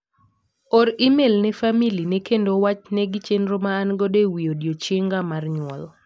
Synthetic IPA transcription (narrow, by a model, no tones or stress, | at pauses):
ɔɾimelnɛfamilinɛkendowat͡ʃnɛɡɪt͡ʃendɾomaːnɡɔdewiodjot͡ʃeŋɡamarɲwɔ̰l